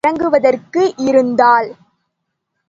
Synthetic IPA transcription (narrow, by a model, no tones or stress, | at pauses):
ɐŋɡɯʋɐðɐrkɯʔɪɾɯnd̪aːl